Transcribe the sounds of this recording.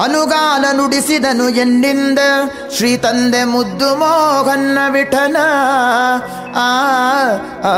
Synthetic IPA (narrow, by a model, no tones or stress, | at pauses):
ɐnuɡaːlɐnuɽisid̪ɐnueɳːind̪ɐ | ʃɾiːt̪ɐnd̪emud̪ːumoːɡɐnːɐʋiʈʰɐnɐ